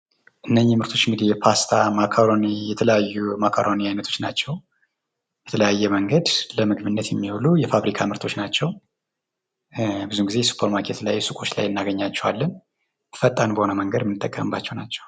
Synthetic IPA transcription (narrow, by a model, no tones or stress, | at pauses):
ʔɨnːəɲːɪmɨɾt̪ʰo̞t͡ʃːɪŋɡɨd̪ijɛpʰast̪ʰamakʰaɾonijɛt̪ʰələjajːumakʰaɾoniajnət̪ʰo̞t͡ʃːnat͡ʃːɛw | bɛt̪ʰələjajːɛməŋɡəd̪ləmɨɡβɨnːət̪jɛmːiwulujɛfaβɾikʰamɨɾt̪ʰo̞t͡ʃːnat͡ʃːɛw | bɨzuɡizesu̥pʰəɾmakʰe̞t̪lajsɨkʼo̞t͡ʃːla̰jɨnːaɡəɲːat͡ʃːɛwalːən | fət̪ʼːanbəhonəməŋɡəd̪mɨnːɨt̪ʼːəkʼːəmɨbːat͡ʃːɛwnat͡ʃːɛw